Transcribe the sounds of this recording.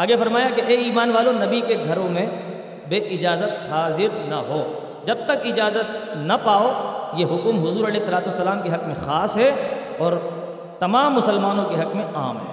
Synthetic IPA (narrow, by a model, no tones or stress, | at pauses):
aːɡefɐɾmaːjakeʔeiːmaːnʋaːlõnɐbikeɡʱɐɾõmẽ | beːʔɪd͡ʒaːzət̪haːzɪɾnɐ̰ɦoː | d͡ʒɐb̚t̪ɐkɪd͡ʒaːzət̪̚nɐpaːojeɦʊkmɦʊzuːɾɐleːɪsːɐlaːt̪uɐsːɐlaːmkeɦɐkmẽxaːsɦɛ | ɔːɾ | t̪ɐmaːmːʊsəlmaːnõkeɦɐkmẽa̰ːmɦɛː